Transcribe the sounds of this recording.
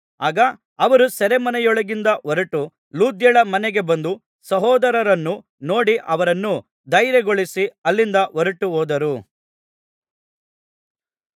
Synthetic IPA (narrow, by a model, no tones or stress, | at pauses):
aːɡɐ | ɐʋɐɾusɛɾemɐnɛjɔɭɐɡind̪ɐʔɔɾɐʈu | luːd̪jɐɭɐmɐneɡe̞bɐnd̪u | sɐɦɔːd̪ɐɾɐɾɐnːu | no̞ːɽiʔɐʋɐɾɐnːu | d̪ɐjɾɛɡoɭisiɐlːind̪ɐʔɔɾɐʈuɦoːd̪ɐɾu